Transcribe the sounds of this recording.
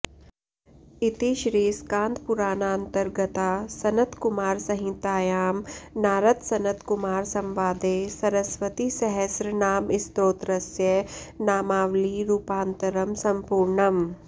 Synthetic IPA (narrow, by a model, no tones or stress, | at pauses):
ɪt̪iʃɾiːskãːnd̪pʊɾaːnaːɐ̃nt̪əɾɡət̪asɐnət̪kʊmaːɾsɐɦɪ̃t̪aːjaːmnaːɾɐt̪sɐnət̪kʊmaːɾsɐ̃mʋaːd̪eːsɐɾəsʋət̪isɐɦɛsɾənaːmɪst̪oːt̪ɾɐsjənaːmaːʋliɾuːpãːnt̪əɾəmsɐ̃mpuːɾɳɐm